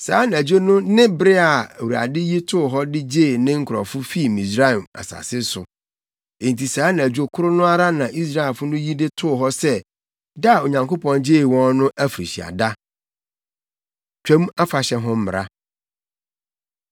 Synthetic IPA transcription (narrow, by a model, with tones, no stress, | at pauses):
saː˨˦nɪ̃˨æ˨d͡ʑᶣo˦nʊ̃˦nɪ̃˦bɪ˦ɾɪ˦a˨wɾa̰˨dɪ˦ji˦tʰʊ˦˨ɦɔ˦dɪ˦d͡ʑeː˦˨nɪ̃˦ŋ̩˦kʰɾɔ̰˨fʊ˦fi˦˨mĩ˨sɾa˦˨ma̰˨sa̰˨sɪ˦sʊ˨ | ẽ˨n̩˨tʰi˨saː˨˦nɪ̃˨æ˨d͡ʑᶣo˦kʰʊ˦ɾʊ˦nʊ̃˦a˦ɾa˦nã˨ʔi˦s̬ɾa˦e˨lfʊ˦nʊ̃˦ji˦dɪ˦tʰʊ˦˨ɦɔ˦sɛ˦ | da˦˨o˨ɲã˨ŋko˦pɔ̃˨nd͡ʑeː˦˨wɔ̃˦nnʊ̃˦ʔæ˦fɾi˨ɕi˨a̰˨da˦ | t͡ɕᶣʰɛ̃˦ma˦fa˨ɕɛ˦ɦɔ̃˦m̩˦m˨ɾa̰˦